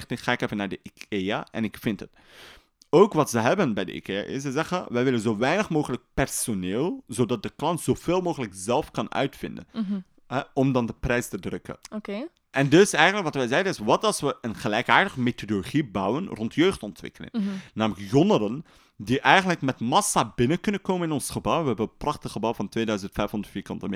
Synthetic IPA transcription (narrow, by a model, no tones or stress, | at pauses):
xtɪtχaːɪkefənaːɹdəʔikea̰ʔɛ̰nɪkfɪntɦət | owkʋɑtzəɦɛbənbɛjdə̰ḭkʰea̰ʔɪ̰səzɛχəʋɛjʋɪlənzoːʋɛjnəχmoːχələk̚pɛrsoneːlˠzodɑt̚dəklɑntz̥oːv̥eːlˠmoːɣələkzɛlˠfkɑnœ̰ɥtfɪndə̰n | ɦɛɔmdɑndəprɛjstədrɵkə̰oke | ʔɛndɵsɛjɣənləkʋɑtʋɛjzɛjdənɪsʋɑtɑlˠsʋəʔənχəlɛjkaːɹdəχəmetodoloχibʌwənrɔntjøɥχtɔntʋɪ̰kəlɪ̰ŋnaːmələkjɔnəɾən | diʔɛjəntləkmɛtmɑsabɪnəkɵnənkowmənɪnɔnsχəbʌwʋəɦɛbənəprɑχtəχəbɑwvɑntʋeːdœɥzəntfɛjfɔndətfiːɹkɑ̰ntəm